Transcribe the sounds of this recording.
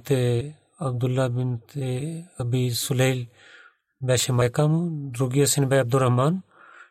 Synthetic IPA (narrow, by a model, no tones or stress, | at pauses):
t̪e | ɐb̚d̪ulːabɪnt̪eɐbisuleil | bɛːʃemaːjkaːmuɾuɡijasinbajɐb̚d̪uɾɐɦmaːn